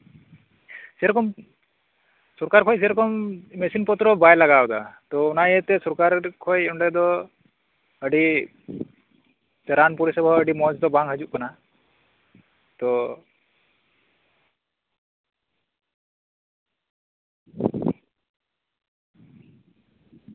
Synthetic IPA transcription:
sɛɾɔkɔm | sɔɾkaɾkʰɔjs̬ɛɾɔkɔmmesinpɔt̪ɾɔbajlaɡawd̪at̪ɔunajət̪ɛsɔɾkaɾkʰɔjuɳɖɛd̪ɔ | əɖi | t͡ʃɛɾanpuɾisɔbʱɔəɖimɔd͡ʒd̪ɔbaŋɦəd͡ʒuʔkɔna | t̪ɔ

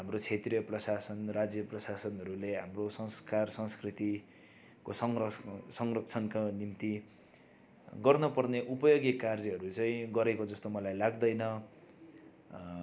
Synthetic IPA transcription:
ɦamrot͡sʰet̪rjʌprʌsasʌnrad͡zjʌprʌsasʌnɦʌɾuleɦamrosʌ̃ŋskarsʌ̃ŋskrit̪i | kosʌŋsʌŋrʌk̚t͡sʰʌnkanimt̪i | ɡʌrnʌpʌrneʔupʌjoɡjekard͡ziɦʌɾut͡saĩɡʌɾekod͡zʌst̪omʌlajlaɡd̪ʌjnʌ

